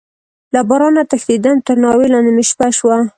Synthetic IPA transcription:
labɑɾɑnat̪axd̪id̪ant̪əɾnɑwelɑnd̪emɪʃpaʃwa

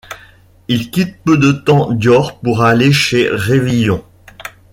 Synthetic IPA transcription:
ilkʲit̪̚pød̪ət̪ɑ̃d̪jɔʁpuʁaleʃeʁevijɔ̃

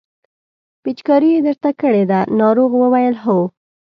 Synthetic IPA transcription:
pit͡ʃkɑɾijed̪əɾt̪akəɽed̪anɑɾoɣwəwajəlɦow

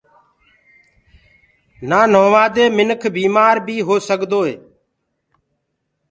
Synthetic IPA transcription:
naːnõːʋaːd̪eːmɪnəkʰbiːmaːɾbʱiːɦoːsəɠd̪oːeː

